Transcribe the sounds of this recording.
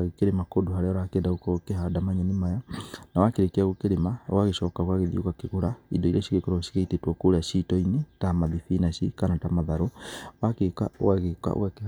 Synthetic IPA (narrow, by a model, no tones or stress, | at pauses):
aɣekeɾemakodohaɾɛɔɾakɛːndaokɔkeɦadamaɲanimajanawakeɾekeaɣokeɾema̰waɣeʃɔːkaɣwaɣeðiokakeɣoɾaḭdɔiɾɛʃiɣekoɾaʃi̥ɣeitetwɔkoɾeaʃitɔinetamaðifinaʃikanatamaðaɾowakeka̰o̰waɣeka̰o̰ake